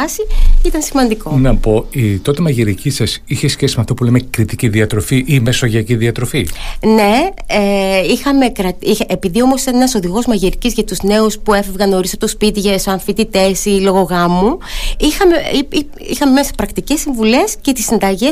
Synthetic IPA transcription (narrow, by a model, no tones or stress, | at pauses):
ɐsiit̪ɐnsimɐnd̪ikonɐpo̞it̪o̞t̪emɐʝiɾicisɐsiçesçesimeɐft̪opulemekɾit̪iciðiɐt̪ɾo̞fiʔimesoʝiɐciðiɐt̪ɾo̞fine̞eixɐme̞kɾɐt̪iepiðio̞mo̞sit̪ɐne̞nɐso̞ðiɣo̞zmɐʝiɾicizʝɐt̪uzne̞uspue̞fevɣɐno̞ɾisɐpot̪o̞spit̪iʝɐsoɐɱfit̪it̪e̞silo̞ɣo̞ɣɐmuixɐmeii | ixɐmemesepɾɐkt̪icesːiɱvule̞scet̪isind̪ɐʝe